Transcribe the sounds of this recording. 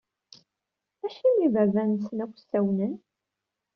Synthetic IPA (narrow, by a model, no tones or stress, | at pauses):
æʃinivævænsənækʷːsːæwnən